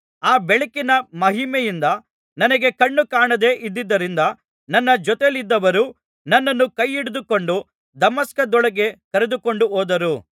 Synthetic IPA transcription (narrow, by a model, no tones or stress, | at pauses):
aːbeɭikinɐmɐɦimejind̪ɐ | nɐnɐɡe̞kɐɳːukaːɳɐd̪e̞ːʔid̪ːid̪ːɐɾind̪ɐ | nɐnːɐd͡ʒɔt̪elid̪ːɐʋɐɾu | nɐnːɐnːukɐjːiɽud̪ukoɳɖu | d̪ɐmɐskɐd̪ɔɭɐɡe̞kɐɾed̪uko̞ɳɖuɦoːd̪ɐɾu